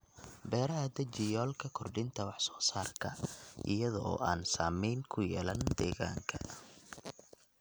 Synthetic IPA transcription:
bɛːɾɐɦɐd̪ɐt͡ʃɪjɔːlkʰɐkʰɔrɖɪnt̪ʰɐwɑħsɔ̥ːsaːrkʰɐʔɪ̰jɐðɔ̰ːaːnsaːmɛjnkʰʊjɛːlɐnd̪ɛːɣa̰ːŋkʰɐ

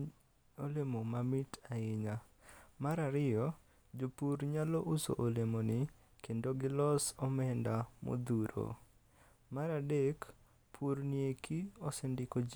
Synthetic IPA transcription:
olemomamɪtʰaɪɲamaɾaɾɪjɔ | d͡ʒopuɾɲalɔʔuso̰ʔolemonɪ | kendoɡɪlɔsɔmɛndamo̰d̪uɾo̰ | maɾadek | pʰuɾniekʰiɔsɛndɪko

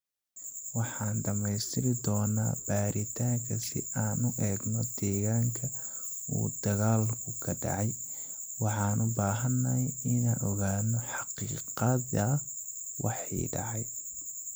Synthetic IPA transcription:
wɑħɑːnɖɐmɛjst̪ʰɪlɪd̪ɔːna̰ːb̥aːɾɪt̪ʰaːŋkʰɐsɪ̰ʔaːnʊʔɛːɡnɔd̪ɛːɣaːŋkʰɐ | ṵːd̪ɐɣaːlkʰʊkʰɐɖɑ̰ʕɑj | wɑħɑːnʔʊbaːɦɐnːɐjɪnaːnɔɣaːnɔħɑqiːqɑðɐ | wʔɑ̰ħḭːɖɑ̰ʕɑj

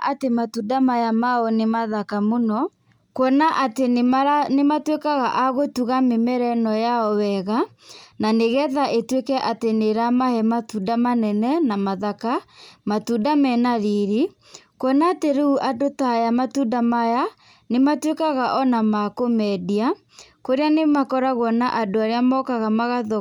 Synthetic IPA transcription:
ʔa̰tematudamajamaɔnemaðakamonɔ | kwɔnaʔatenematwekaɣaʔaɣotuɣamemɛɾɛnɔjaɔwɛɣananeɣɛðaʔetwekɛʔateneɾamahɛmatudamanɛnɛnamaðakamatudamɛnaɾiɾi | kwɔnaːteɾeuʔadotajamatudamaja | nematwekaɣaʔɔnamakomɛdia | koɾeanemakɔɾaɣɔnaʔadoaɾeamɔkaɣamaɣaðɔ

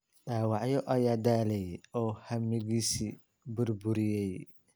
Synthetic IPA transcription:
ɗaːwɑʕjɔʔɐjaːd̪aːlɛjɔːhɐmɪɣiːsiː | bʊrbʊɾɪjɛj

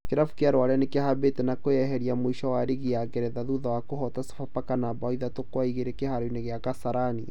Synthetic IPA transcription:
keɾafukeaɾwaɾeanekehabetɛnakojɛɦɛɾiamoiʃɔwaɾeɣiaɡɛɾɛðaðuðawakoɦɔtase̥fapakanabaiðatokwaiɣeɾekehaɾoineɣeakasaɾani

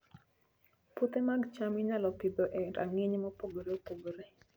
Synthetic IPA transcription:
pot̪emaɡt͡ʃamɪɲalɔpibɔʔɛnda̰ŋiɲmɔpoɡoɾeopoɡoɾe

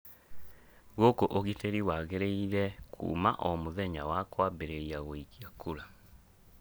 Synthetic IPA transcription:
ɣokoʔoɣiteɾiwaɣeɾeiɾɛkʰṵːmaʔɔmoðɛɲawakwabeɾeɾiaɣoikiakuɾa

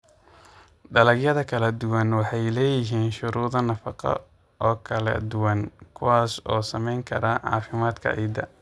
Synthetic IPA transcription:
ɖ̪ɐlɐɡjɐðɐkʰɐlɐd̪ʊwɐnwɑħɑjlɛːjɪɦiːnʃʊɾuːðɐnɐfɑqɔ̰ | ʔɔːkʰɐlɐ̰d̪ʊwɐnkʰʊwaːsɔːsɐ̰mɛjŋkʰɐ̰ɾaʕɑ̰ːfɪmaːd̪kʰɐ̰ʔɛ̰d̪ɐ

